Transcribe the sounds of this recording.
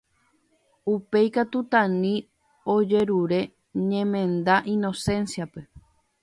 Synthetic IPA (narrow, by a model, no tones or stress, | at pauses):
upe̞jkat̪ut̪ãnĩ | o̞d͡ʒe̞ɾuɾe̞ | ɲẽmẽ̞nd̪aʔĩno̞sẽ̞nsiape̞